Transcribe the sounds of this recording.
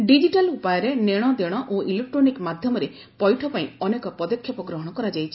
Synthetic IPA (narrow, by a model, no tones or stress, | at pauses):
ɖid͡ʒiʈalupajɔɾeneɽ̃ɔd̪eɽ̃ɔʔoʔilek̚ʈɾonikmad̪ʱjɔmɔɾe | pɔjʈʰɔpaĩɔnekɔpɔd̪ɔkʰːjɔpɔɡɾɔɦɔɽ̃ɔkɔɾad͡ʒajt͡ʃʰi̥